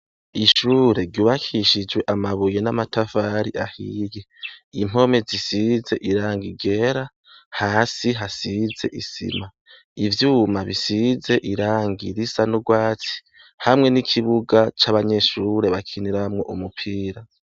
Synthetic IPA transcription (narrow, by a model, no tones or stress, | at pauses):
iʃuːɾe̞ɾɟuːβakʰiʃid͡ʒwe̞ʔamaβujenamatafaːɾiʔahiːjeim̥o̞me̞zisize̞ʔiɾaːŋɡiɡe̞ɾa | haːsiɦasize̞̰ʔisḭma | ivjuːmaβisize̞ʔiɾaːŋɡiɾisanuɡwaːt͡si̥ | hamŋe̞nikʰiβuɡat͡ʃaβaɲe̞ʃuːɾe̞βakʰiniɾamŋo̞ʔumupʰiːɾa